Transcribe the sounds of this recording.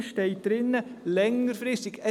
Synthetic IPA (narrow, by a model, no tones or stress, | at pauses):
ʃteɪt̚d̥̪ɾɪnəlɛŋəɾfɾɪst̪ɪɡɛ